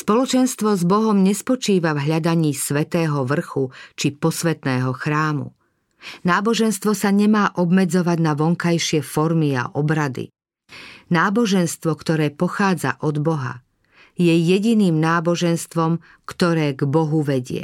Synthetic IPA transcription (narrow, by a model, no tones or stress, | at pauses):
spɔlɔt͡ʃɛnst̪ʋɔzbɔɦɔmɲɛspɔt͡ʃiːʋavɦʎad̪aɲiːsʋɛt̪ɛːɦɔʋr̩xut͡ʃipɔsʋɛt̪nɛːɦɔxɾaːmṵ | naːbɔʒɛnst̪ʋɔsaɲɛmaːʔɔbmɛd͡zɔʋaɟnaʋɔŋkajʃɪɛfɔɾmia̰ʔɔbɾad̪ḭ | naːbɔʒɛnst̪ʋɔkt̪ɔɾɛːpɔxaːd͡za̰ʔɔd̪bɔɦa̰ | jɛjɛɟiniːmnaːbɔʒɛnst̪ʋɔm | kt̪ɔɾɛːɡbɔɦuʋɛɟɪɛ̰